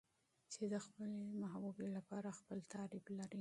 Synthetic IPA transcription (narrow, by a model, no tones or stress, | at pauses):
t͡ʃed̪əxpəlemaɦbubelapɑɾaxpəlt̪ʰɑɾiblaɾi